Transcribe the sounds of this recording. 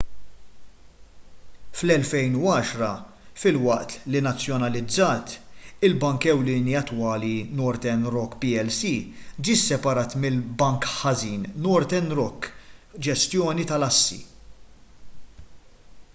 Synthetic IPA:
flɛlfɛjnuɐːʃɾɐ | fɪlwɐʔt̪linɐt͡sːjɔnɐlɪd͡zːɐːt̪ɪlbɐŋkɛwlɪːniɐt̪ːwɐːlinɔɾt̪ɛnɾɔkːpiɛlsiːd͡ʒiːsɛpɐɾɐːt̪mɪlbɐŋkħɐziːnnɔɾt̪ɛnɾɔkːd͡ʒɛst̪jɔːnit̪ɐlɐsːḭ

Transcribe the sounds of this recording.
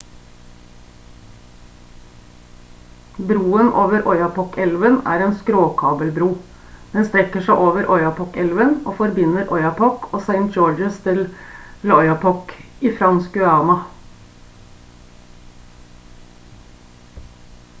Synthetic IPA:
bɾuːənʔo̰ːʋəɾʔɔʏɑpɔkɛlʋənæ̰ːɾeːnskɾoːkʰɑːbəlbɾuː | d̪̥ɛnst̪ɾɛkəʂæɪʔoːʋəɾʔɔʏɑpʰɔkɛlʋənoːfɔɾbɪnːəɾʔɔʏɑpʰɔkʰoːsæɪnt̪̚d͡ʒoːd͡ʒəst̪ʰɪllɔʏɑpʰɔkiːfɾɑnskʉɑːmɑ

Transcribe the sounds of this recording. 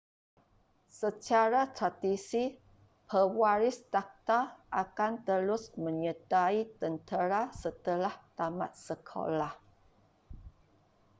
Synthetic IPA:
sət͡ʃaɾat̪ɾad̪isi | pʰəwaɾɪst̪ak̚t̪aʔakant̪əlʊsmə̃ɲət̪ait̪ənt̪əɾasət̪əlaht̪ama̰t̪səkʰo̰lah

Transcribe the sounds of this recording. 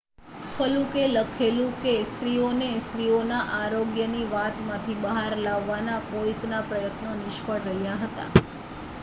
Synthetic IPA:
fəlũkeləkʰelũkest̪ɾionest̪ɾionaʔaɾoɡjəniʋat̪mãt̪ʰibəɦaɾlaʋːanakoiknapɾəjət̪nonɪʃpəɽɾəɦjaɦət̪a̰

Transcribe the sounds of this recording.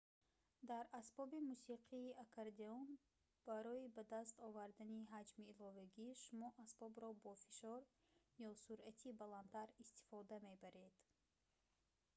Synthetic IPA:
d̪aɾasbɔbimusiqʰiːʔakʰaɾd̪eɔn | b̥aɾɔibad̪ast̪ɔvaɾd̪aniɦad͡ʒmiːlɔvaɡiʃumɔʔasbɔbɾɔbɔfiʃɔɾ | jɔsuɾʔat̪ʰibalant̪ʰaɾist̪i̥fɔd̪ame̞baɾe̞d̪̥

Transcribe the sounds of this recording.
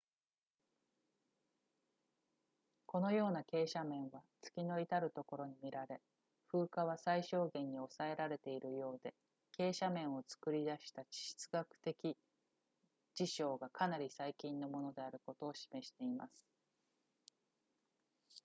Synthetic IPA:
ko̞no̞jo̞ːnake̞ːɕamẽ̞ɰ̃βat͡sɨ̥kʲino̞it̪aɾɯ̟t̪o̞ko̞ɾo̞ɲ̟imʲiɾaɾe̞ | ɸɯ̟ːkaβ̞asaiɕo̞ːɡẽ̞ɲ̟ːio̞sae̞ɾaɾe̞t̪e̞iɾɯ̟jo̞ːd̪e̞ | ke̞ːɕamẽ̞ɰ̃o̞t͡sɨ̥kɯ̟ɾʲid̪aɕi̥t̪at͡ɕi̥ɕi̥t͡sɨɡakɯ̟̥t̪e̞kʲi | d͡ʑiɕo̞ːɡakanaɾʲisaikʲĩnːo̞mo̞no̞d̪e̞aɾɯ̟ko̞t̪o̞ːɕi̥me̞ɕi̥t̪e̞ima̰sɨ̥

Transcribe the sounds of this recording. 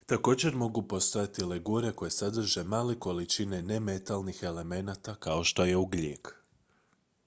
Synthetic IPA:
t̪ako̞ːd͡ʑe̞ɾmo̞ɡupo̞st̪o̞jat̪ileɡuɾe̞ko̞je̞sad̪r̩ʒe̞maːleko̞lit͡ʃine̞ne̞me̞t̪alˠnixe̞le̞me̞nat̪akao̞ʃt̪o̞je̞uɡleːk

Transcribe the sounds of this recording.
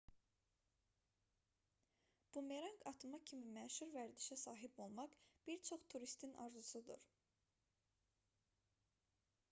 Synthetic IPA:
b̥umeɾɑŋkɑt̪ʰɯmɑcʰimimæʃuɾvæɾd̪iʃæsɑːɦibo̞lˠmɑqb̥iɾt͡ʃʰo̞χt̪ʰuɾist̪ʰinʔɑ̰ɾzusud̪ṵɾ

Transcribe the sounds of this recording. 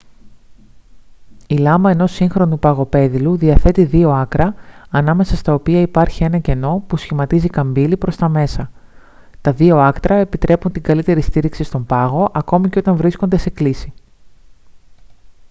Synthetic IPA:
ilɐmɐe̞no̞siŋxɾo̞nupɐɣo̞pe̞ðiluðiɐθe̞t̪iðio̞ɐkɾɐːnɐme̞sɐst̪ɐopiɐipɐɾçie̞nɐce̞no̞pusçimɐt̪izikɐmbilipɾo̞st̪ɐme̞sɐ | t̪ɐðio̞ɐkt̪ɾɐe̞pit̪ɾʔe̞punt̪iŋɡɐlit̪e̞ɾist̪iɾiksist̪o̞mbɐɣo̞ʔɐko̞miceo̞t̪ɐɱvɾisko̞nd̪e̞se̞klisi

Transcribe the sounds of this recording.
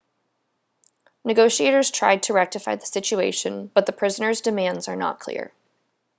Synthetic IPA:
nɨɡoʊʃieɪɾə˞z̥tʰɹ̥a̰ɪd̚tʰɨɹɛk̚tɨfaɪðəsɪt͡ʃueɪʃɨ̃nb̥ʌt̪̚ðəpʰɹ̥ɪzənə˞zdɨmæ̃ndzə˞nə̰t̚kʰl̥ɪ̰ɹ

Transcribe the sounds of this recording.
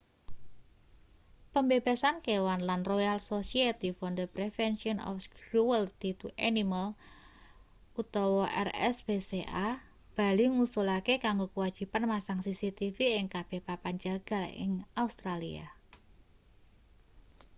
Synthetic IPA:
pəmbeb̥a̤sankewanlanrojalsosiet̪ifɔnd̪əpɾefɛnsiɔnɔ̰fskɾuəlt̪it̪uʔaniməl | ut̪ɔwɔʔɛ̰rɛ̰sb̥eseʔa | b̥a̤liŋusulakekaŋɡokəwad̥ʒ̥i̤panmasaŋsisit̪ifiɪŋkab̥e̤hpapaɲd͡ʒaɡ̥a̤lɪ̰ŋaust̪ɾalḭa̰

